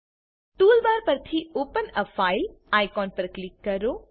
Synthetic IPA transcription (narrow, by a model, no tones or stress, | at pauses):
t̪uːlbaːɾpəɾt̪ʰioːpənəfʰaːɪlaːjkɔːnpəɾklikːɐɾoː